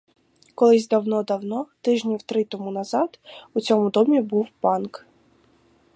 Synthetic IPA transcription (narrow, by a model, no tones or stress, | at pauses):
kɔlˠɪzʲd̪ɐwnɔd̪ɐwnɔt̪ɪʒnʲiwt̪ɾɪt̪ɔmunɐzɑd̪ut͡sʲɔmʊd̪ɔmʲibuwpɑnk